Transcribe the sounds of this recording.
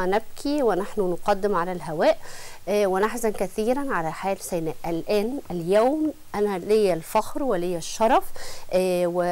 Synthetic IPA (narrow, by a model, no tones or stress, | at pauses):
næb̚kʰiwenaħnunʊqɑd̪ːɪmʕalælɦæwæːʔʔwɪnaħzænkæθiːɾænʕalæħaːlsænæʔʔælʔæːnæljæwm | ʔænælɪjːælfɑxɾwelɪjːæʃːɑɾˤɑfʔːwe